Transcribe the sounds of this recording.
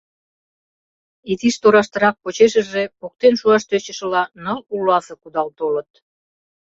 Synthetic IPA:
it̪iʃt̪oɾɑʃt̪əɾɑk̚pot͡ɕeʃə̆ʒepok̚t̪enʃuɑʃt̪øt͡ɕəʃə̆lɑnəlulɑsɤ̆kud̪ɑlt̪olət̪

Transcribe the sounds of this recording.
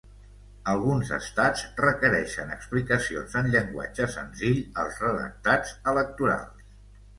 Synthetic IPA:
əlˠɣunzə̰st̪azrəkəɾɛʃənə̰ksplikəsio̰nzənʎəŋɡwa̰d͡ʒəsənziʎəlˠzrəðə̰k̚t̪ad͡zələk̚t̪uɾa̰lˠs

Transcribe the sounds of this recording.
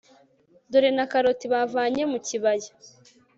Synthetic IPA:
doɾenakaɾotiβavaːɲemuciβaja

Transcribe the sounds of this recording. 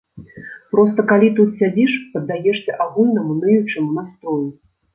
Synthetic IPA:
pɾɔst̪ɐkalʲit̪ut̪sʲad͡zʲiʂpɐd̪ːajɛʂsʲɛʔaɣulʲnɐmunɨjut͡ʂɨmunast̪ɾɔju

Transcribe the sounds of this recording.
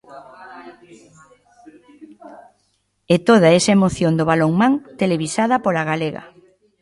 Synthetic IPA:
et̪oð̞aɛsɐemoθjond̪ʊβaloŋmãŋt̪eleβisað̞ɐpolaɣaleɣɐ̰

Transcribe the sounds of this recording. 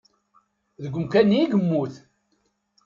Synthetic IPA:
ðəɡʷʊmkænːiiɡəmːuθ

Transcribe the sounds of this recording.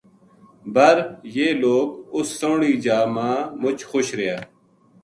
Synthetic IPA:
bəɾjeːloːkʊsːoːɽiːd͡ʒaːmãːmʊt͡ʃxoʃɾɪjaː

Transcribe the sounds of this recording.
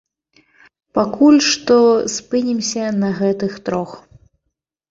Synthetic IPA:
pakulʲʂt̪ɔspɨnʲimsʲɐnɐɣɛt̪ɨxt̪ɾɔx

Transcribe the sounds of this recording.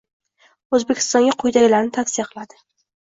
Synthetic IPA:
ɵzbekʲʰɪ̥st̪ɒŋɡʲaqʰojd̪aɡʲɪlaɾnɪt̪ʰafsɪjaqʰɨlˠad̪ɪ

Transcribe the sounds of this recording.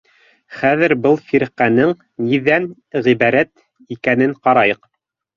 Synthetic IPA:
χæðɘɾbɤlˠfiɾqænɘŋ | niðæn | ʁiβæɾæt̪ | ikænɘŋqɑɾɑjɤq

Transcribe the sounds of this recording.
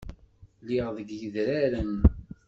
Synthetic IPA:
liʁðəɡjəðɾaɾən

